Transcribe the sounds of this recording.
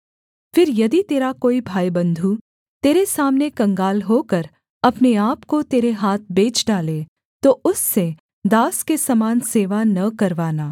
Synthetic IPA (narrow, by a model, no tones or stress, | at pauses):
fɪɾjɐd̪it̪eːɾakoːibʱaːibɐ̃nd̪ʱu | t̪eːɾesaːmnekɐ̃ŋɡaːlɦoːkɐɾ | ɐpneaːpkot̪eːɾeɦaːt̪̚ʰbeːt͡ʃɖaːle | t̪oʊsːe | d̪aːskesɐmaːnseːʋanɐkɐɾʋaːnaː